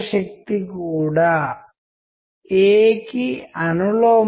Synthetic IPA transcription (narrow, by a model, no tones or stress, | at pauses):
ʃɐk̚t̪ikuːɽaː | eːkiɐnuloː